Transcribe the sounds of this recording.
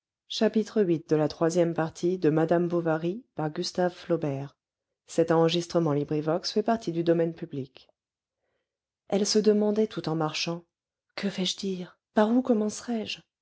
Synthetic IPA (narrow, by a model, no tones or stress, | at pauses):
ʃapit̪χəɥit̪̚d̪əlat̪χwazjɛmpaʁt̪ʰid̪əmad̪ambovaʁipaʁɡʲyst̪avflɔbɛʁ | sɛt̪ɑ̃ʁəʒist̪χəmɑ̃libʁivɔksfɛpaʁt̪ʰid̪yd̪ɔmɛnpyblik | ɛlsəd̪əmɑ̃d̪ɛt̪ʰut̪ɑ̃maʁʃɑ̃ | kəfɛʒd̪iʁ | paʁukɔmɑ̃sʁɛʒ